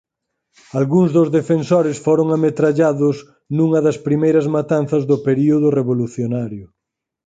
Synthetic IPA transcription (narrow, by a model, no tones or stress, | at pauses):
alɣuŋzðʊzðefensoɾɪsfoɾʊŋamet̪ɾaʎaðʊs | nuŋɐðɐspɾimejɾɐzmat̪anθɐzðʊpeɾioðʊreβoluθjonaɾjʊ